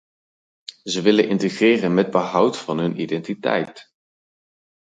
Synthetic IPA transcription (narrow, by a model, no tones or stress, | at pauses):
zəʋɪlənʔɪntəχrɪːrənmɛd̚bəɦʌwtfɑnɦɵnʔidɛntitɛ̰jt